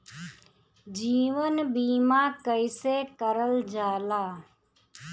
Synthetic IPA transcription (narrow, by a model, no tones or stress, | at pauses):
d͡ʒiːʋənbiːmaːkəɪseːkəɾəld͡ʒaːlaː